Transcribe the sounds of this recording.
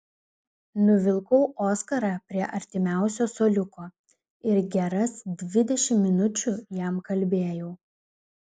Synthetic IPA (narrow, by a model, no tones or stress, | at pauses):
nʊʋʲɪlˠkɔʊʔoːskɐɾɑpʲɾʲiɛʔɐɾʲt̪ʲɪmʲæˑʊsʲoːsoːlʲʊkoː | ɪɾɡʲɛɾɐsd̪ʲʋʲɪd̪ʲɛʃʲɪmːʲɪnʊt͡ʃʲʊjæmkɐlʲbʲeːjɛʊ